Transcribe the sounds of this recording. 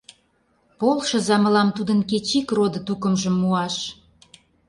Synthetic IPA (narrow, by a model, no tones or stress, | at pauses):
polʃɤ̆zɑmə̆lɑmt̪ud̪ə̆nket͡ɕikrod̪ət̪ukə̆mʒə̆mːuɑʃ